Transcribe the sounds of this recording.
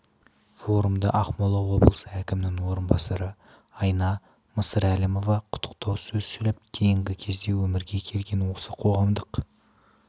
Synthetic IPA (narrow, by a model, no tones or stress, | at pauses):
fo̞ɾumd̪ə̰ʔɑqmolˠɑwo̞blˠəsəækʲɪmɪnɪŋwo̞ɾənbɑsɑɾə | ɑjnɑ | məsəɾælimo̞vɑqʰʊ̥t̪ʰːə̥q̚t̪ɑwsɵzsɵlɪp̚d̪̥ʰe̞jɪŋɡʲɪkʲʰe̞zd̪e̞wɵmɪɾɡʲe̞kʲʰe̞lɡʲe̞nwo̞səqʰo̞ʁɑmd̪əq